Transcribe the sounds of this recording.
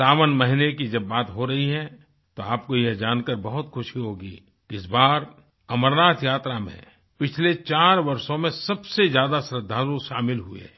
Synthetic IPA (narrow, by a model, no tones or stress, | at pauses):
saːʋənmɐɦɪnekid͡ʒɐbːaːt̪ɦoɾɐɦiɦɛ̃ | t̪oaːpkojɛɦd͡ʒaːnkəɾbɐɦʊt̪xʊʃiɦoːɡḭː | kɪsbaːɾ | ɐməɾnaːt̪ʰjaːt̪ɾamḛ̃ | pɪt͡ʃʰlet͡ʃaːɾʋɐɾsõmẽsɐbsezjaːd̪asɾəd̪ʱːaːɾuʃaːmɪlɦuḛ